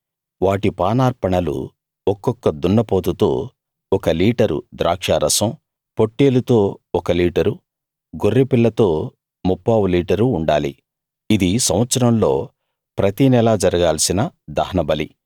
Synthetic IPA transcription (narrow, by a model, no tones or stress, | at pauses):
ʋaːʈipaːnaːɾpɐɳɐlṵ | ɔkːɔkːɐd̪uɳːɐpoːt̪ut̪oː | ɔkɐliːʈɐɾṵd̪ɾʔa̰ːkʂaːɾɐsɐm | po̞ʈːeːlut̪o̞ːɔkɐliːʈɐɾu | ɡorːipilːɐt̪o̞ː | mupːaːwuliːʈɐɾuːɳɖa̰ːlḭ | id̪isɐ̃wʋɐt̪sɐɾɐmlo̞ː | pɾɐt̪inɛlaːd͡ʒɐɾɐɡaːlɐsinɐd̪ɐɦɐnɐbɐlḭ